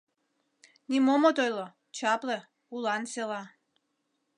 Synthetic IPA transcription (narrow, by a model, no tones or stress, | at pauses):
nʲimomot̪ojlˠo | t͡ɕɑple | ulˠɑnselɑ